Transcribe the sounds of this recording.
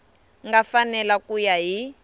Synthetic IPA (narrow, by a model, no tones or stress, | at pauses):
ŋɡafanɛlakujaɦi